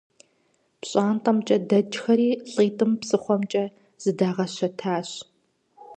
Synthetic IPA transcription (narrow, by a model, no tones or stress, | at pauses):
pɕʼaːnqʼɐmt͡ʃʼɐdɐd͡ʒxɐɾiːɬʼiːtʼɨmpsɨχʷɔmt͡ʃʼɐ | z̥ɨdaːʁɐɕɐtʰaːɕ